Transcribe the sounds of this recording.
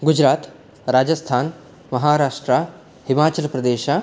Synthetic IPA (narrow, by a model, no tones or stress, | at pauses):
ɡud͡ʒɾaːt̪ | ɾaːd͡ʒɐst̪ʰaːn | mɐɦaːɾaːʂʈɾa | himaːt͡ʃɐlpɾɐd̪eːʃa